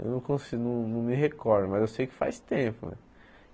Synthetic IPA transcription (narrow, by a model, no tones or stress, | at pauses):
ḛwnɐ̃w̃kõsinɐ̃w̃nɐ̃w̃mɪɦekɔɾd̪ʊmɐzewsejʊkɪ̥fa̰jst̪ẽpʊ̰